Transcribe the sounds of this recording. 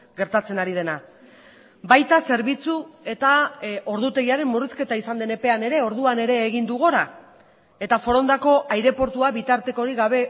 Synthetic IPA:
ɡe̞ɾt̪at͡se̞naɾið̞e̞na | bajt̪ase̞ɾβ̞it͡sue̞t̪ao̞ɾðut̪e̞ɣiaɾe̞mmuriske̞t̪aisand̪ene̞pe̞ane̞ɾe̞o̞ɾð̞uane̞ɾe̞ːɣ̞ind̪uɣ̞oɾa | e̞t̪afo̞ɾo̞nd̪ako̞ʔajɾe̞po̞ɾt̪uaβit̪aɾt̪e̞ko̞ɾiɣaβ̞e̞

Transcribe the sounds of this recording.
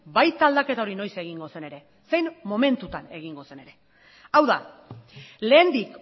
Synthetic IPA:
bajt̪aːld̪ake̞t̪ao̞ɾino̞jse̞ɣ̞iŋɡo̞se̞ne̞ɾe̞ | se̞jnmːo̞me̞nt̪ut̪ane̞ɣ̞iŋɡo̞se̞ne̞ɾe̞ | awða | le̞ːnd̪ik

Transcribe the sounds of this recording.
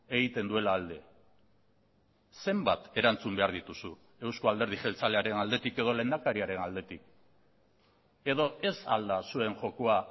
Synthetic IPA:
e̞ɣit̪e̞nd̪ue̞laːld̪e̞ | se̞mbat̪e̞ɾant͡sumbe̞aɾð̞it̪usu | e̞wsko̞ald̪e̞ɾð̞iʝe̞lt͡sale̞aɾe̞nald̪e̞t̪ike̞ð̞o̞le̞nd̪akaɾiaɾe̞nald̪e̞t̪ik̚ | e̞ð̞o̞e̞sa̰ld̪asue̞nʝo̞koa

